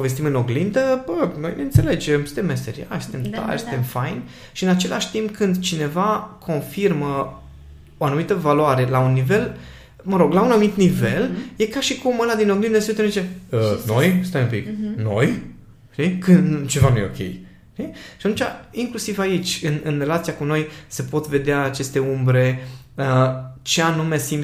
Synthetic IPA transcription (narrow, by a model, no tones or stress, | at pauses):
ove̞s̬t̪imɨno̞ɡlind̪əbənojneɨnse̞le̞d͡ʒemsɨ̥t̪emːmest̪eɾia̰ʃsɨ̥t̪emt̪a̰jst̪emfajn | ʃiɨnat͡ʃelʔaʃʲt̪impkʰɨnd̪t͡ʃine̞vakʰo̞nfirmə | oanumit̪əvalwaɾe̞launːive̞l | məɾo̞ɡlaunanumit̪nive̞lje̞kaʃikumɨnad̪inoɡlind̪esut̪ezit͡ʃeəno̞jst̪ajumpḭkno̞̰j | ʃt̪ikɨnd̪t͡ʃe̞vanuje̞o̰kʲḛj | ʃt̪iʃat̪ũmnt͡ʃʲa̰iŋklusivait͡ʃʲɨnɨnre̞lat̪siakuno̞jse̞po̞t̪ve̞d̪eaːt͡ʃe̞st̪e̞umbɾe̞ | ət͡ʃe̞anume̞sim